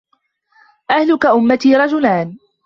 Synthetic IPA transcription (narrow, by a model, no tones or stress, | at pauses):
ʔahlʊkaʔʊmːat̪iːɾˤɑd͡ʒʊlaːn